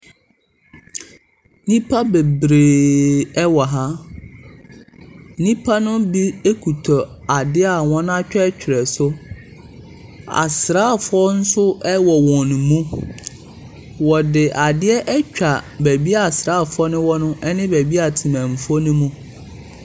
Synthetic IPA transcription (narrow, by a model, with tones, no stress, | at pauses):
nĩ˦pʰa˦be˨bɾeː˨ɛ˦wɔ˨ɦa˦ | nĩ˦pʰa˦nʊ̃˦bi˦e˦kʰu˨tʰɔ˨a˨dɪ˦a˨wɔ̃˦n˦a˦t͡ɕᶣɛ˦ɛ˦t͡ɕᶣʰɪ˨ɾɛ˨sʊ˦ | a̰˨sɾaː˦˨fʊ˦ɔ˦n̩˦sʊ˦ɛ˦wɔ˨wɔ̃˨n˨mũ˦ | wɔ˨dɪ˨ʔa˨dɪ˦ɛ˦ʔɛ˦t͡ɕᶣa˨bæ˨bi˦a˨sɾaː˦˨fʊ˦ɔ˦nʊ̃˦wɔ˦nʊ̃˦ʔɛ˦nɪ̃˦bæ˨bi˦a˨tʰi˨mæ̃˨m̩˨fɔ˦nʊ̃˦mũ˦